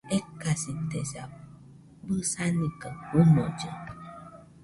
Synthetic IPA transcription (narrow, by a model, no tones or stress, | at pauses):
ekːasit̪esa | bɨsanikəunod͡ʒe